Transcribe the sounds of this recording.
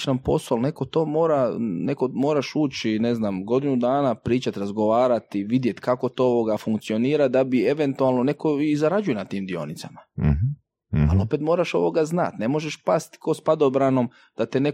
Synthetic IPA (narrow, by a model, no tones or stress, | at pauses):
nampo̞̰solne̞ko̞t̪o̞ːmo̞ːɾane̞komo̞ːɾaʃuːt͡ʃine̞znaːmɡo̞d̪inud̪aːnapɾiːt͡ʃat̪ɾazɡo̞ʋaːɾat̪iʋid̪jet̪kako̞t̪ooʋo̞ɡafuŋkt̪sio̞niːɾad̪abie̞ʋe̞nt̪ualˠno̞ne̞ko̞izaɾad͡ʒuje̞nat̪iːmd̪io̞̰nit̪sama | a̰lo̞pe̞t̪mo̞ːɾaʃo̞̰ʋo̞ɡazna̰t̪ne̞mo̞ʒeʃpast̪ko̞spad̪obɾano̞m | d̪̥at̪ene